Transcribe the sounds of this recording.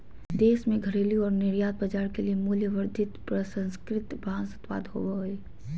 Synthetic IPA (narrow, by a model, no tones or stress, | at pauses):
d̪eːsmẽɡʱəɾeːlijõɔːɾnɪɾjaːd̪̚bɐd͡ʒaːɾkeliemuljəʋəɾd̪ʱɪt̪pɾəsə̃nskɾɪt̪bʱãːnsʊt̪pa̰ːd̪ɦo̰ʋɦoeː